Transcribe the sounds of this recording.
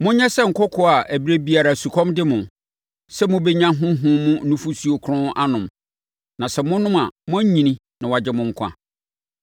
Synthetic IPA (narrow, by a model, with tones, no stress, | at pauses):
mʊ̃˦ɲɛ̃˦sɛ˦ŋ̩˨kʰɔ˦kʰɔ˦a˨ʔæ˨bi˦ɾe˦bi˨˦a˨ɾa˨su˨kʰɔ̃˦mdɪ˦mʊ̃˨ | sɛ˦mʊ̃˦be˦ɲã˦ɦʊ̃˦ɦʊ̃˦mʊ̃˦nũ˦fu˦su˨o˨kʰɾʊ̃˦a˦nʊ̃˨m | nã˨sɛ˨mʊ̃˦nʊ̃˦mã̰˨mʊ̃˦ɲ˦ɲĩ˨nĩ˦ | nã˨wa˨d͡ʑɪ˦mʊ̃˦ŋ̩˦kʷʰã̰˦